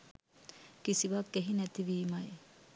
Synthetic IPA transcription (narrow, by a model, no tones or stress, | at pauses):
kisiʋakːeɦinæt̪iʋiːmɐj